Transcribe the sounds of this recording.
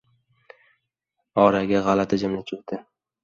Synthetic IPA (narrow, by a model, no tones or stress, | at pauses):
ɒɾaɡʲaʁalat̪ʰad͡ʒamnat͡ʃʰʊd̪ɪ